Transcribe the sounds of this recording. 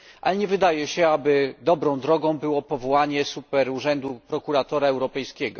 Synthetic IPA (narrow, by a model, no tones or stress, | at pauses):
ʔa̰lɛɲɛvɘd̪ajɛɕɛabɘd̪ɔbɾɔ̃w̃d̪ɾɔɡɔ̃w̃bɘwɔpɔvɔwaɲɛsupɛɾuʐɛnd̪upɾɔkuɾat̪ɔɾaɛwɾɔpɛjskʲɛɡɔ